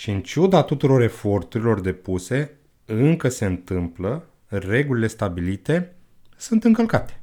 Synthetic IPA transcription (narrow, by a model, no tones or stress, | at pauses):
ʃiɨnt͡ʃud̪at̪ut̪uɾo̞ɾe̞fo̞rt̪uɾilo̞rd̪e̞puse̞ | ɨŋkəse̞ɨnt̪ɨmplə | re̞ɡulile̞st̪abilit̪e̞ | sunt̪ɨŋkəlkat̪e̥